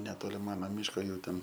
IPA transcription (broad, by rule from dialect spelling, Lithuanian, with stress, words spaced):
nʲɛˈtoːlʲɪ ˈmɑːnɐ ˈmʲɪʃkoː ˈjuː ˈtʲɛn